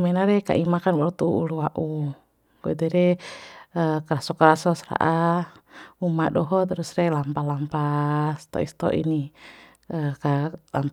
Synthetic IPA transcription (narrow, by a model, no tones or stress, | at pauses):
mɛnaɾɛka̰ʔimakanɡɔɾɔt̪uuuluaʔu | kɔɛdɛɾɛ | əkaɾasɔkaɾasɔsɾa̰ʔa | umadɔɦɔt̪ɾusrɛlampalampast̪ɔ̰ḭst̪ɔ̰ʔḭni | əkalamp